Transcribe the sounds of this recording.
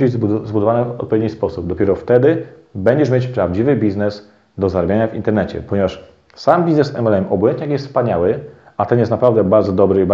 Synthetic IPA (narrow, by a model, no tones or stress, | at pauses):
ibɘzzbud̪ɔvanɛɔ̰t̪̚pɔvjed̪ɲispɔsubd̪ɔpʲɛɾɔft̪ɛd̪ɘ | bɛɲd͡ʑɛʂmʲet͡ɕpɾavd͡ʑivɘbʲiznɛs | d̪ɔzaɾabʲjaɲavint̪ɛɾnɛt͡ɕɛ̰pɔɲɛvaʂ | sambʲiznɛsɛ̰mɛlɛmʔɔbɔjɛnt̪ɲakjɛst̪spaɲawɘat̪ɛnjɛst̪napɾavd̪ɛbaɾd̪zɔd̪ɔbɾɘib